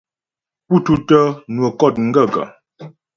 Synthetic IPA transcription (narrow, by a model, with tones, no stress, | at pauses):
pu˦tu˦tə˦nwə˨kɔ˦˨t̚ŋ̩˦ɡə˦˨ɡə̰˨